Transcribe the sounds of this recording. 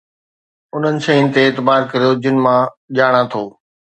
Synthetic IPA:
ʊn̤ənɪ̆ʃɐ̃ĩnɪ̆t̪eːt̪ɪbaːɾkɐɾijod͡ʑɪnɪmã | ʄaːɽ̃ãt̪ʰoː

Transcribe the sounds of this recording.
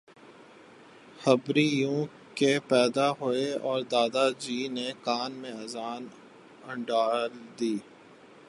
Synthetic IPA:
həbɾijũː | kepɛːd̪aɦoeɔːɾd̪aːd̪ad͡ʒiːnekaːnmẽɐzaːn | ɐ̃ɳɖaːld̪iː

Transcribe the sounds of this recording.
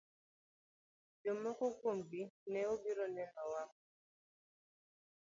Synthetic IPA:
d͡ʒomɔkokombinɛobiɾɔnɛmawam

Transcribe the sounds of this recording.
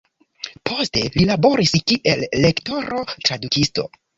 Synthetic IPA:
pʰo̞ste̞lilabo̞ɾiskiʔe̞lːe̞kto̞ɾo̞tɾadukisto̞̰

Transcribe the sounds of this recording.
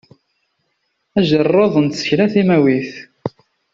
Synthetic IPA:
æʒərˤːoðˤənt̪sə̥çlæθimæwiθ

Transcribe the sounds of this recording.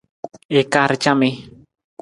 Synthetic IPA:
ekaɾt͡ʃame

